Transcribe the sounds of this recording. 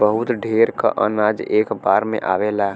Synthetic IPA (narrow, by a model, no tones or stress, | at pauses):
bəɦʊt̪ɖʱeːɾka̰ʔənaːd͡ʒeːkbaːɾmḛ̃ʔa̰ːʋelaː